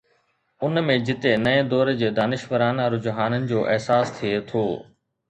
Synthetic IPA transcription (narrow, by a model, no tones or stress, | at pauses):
ʊnmẽd͡ʑɪt̪enɐẽd̪ɔːɾed͡ʑeːd̪aːnɪʃʋəɾaːnaɾʊd͡ʑɦaːnənɪ̆d͡ʑoːʔɛɦsaːst̪ʰiet̪ʰoː